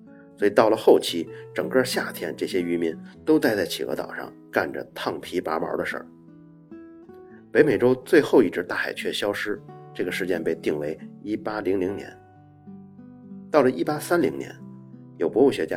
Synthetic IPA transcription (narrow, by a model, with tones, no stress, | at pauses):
swɔ˧˥i˨˩t̪ɑ˥˩ʊlə˩xo˥˩ʊt͡ɕʰi˧˥ʈ͡ʂɤ˨˩ŋkə˞˥˧ɕja˥˩t̪ʰjɛ̰˥nʈ͡ʂɤ˥˩ɕjɛ˥y˧˥mi˧˥nt̪o˥ʊt͡sa˥˧ɪt͡sa˥˩ɪt͡ɕʰḭ˨˩ɤ̰˧˥t̪ɑ̰˨˩ʊʂɑ̰˥˧ŋka˥˩nʈ͡ʂə̰˩t̪ʰɑ˥˩ŋpʰi˧˥pa˧˥mə̰˧˥d̪ə˧ʂə̰˞˥˩ | pe˧˥ɪme˨˩ɪʈ͡ʂo˥ʊt͡swe˥˧ɪxo˥˧ʊi˥˩ʈ͡ʂɻ̩˧˥t̪a˥˩xa̰˨˩ɪt͡ɕʰɥɛ˥˩ɕjɑ˥ʊʂɻ̩˥ʈ͡ʂɤ˥˩ɡə˩ʂɻ̩˧t͡ɕjɛ˥˧npe˥˧ɪt̪i˥˩ŋwe˧˥ɪi˥pa˥li˧˥ŋli˧˥ŋnjɛ̰˧˥n | t̪ɑ˥˩ʊlə˩ʔi˥pa˥sa˥nli˧˥ŋnjɛ̰˧˥njo˨˩ʊpwɔ˧˥u˥˩ɕɥɛ˧˥t͡ɕja˥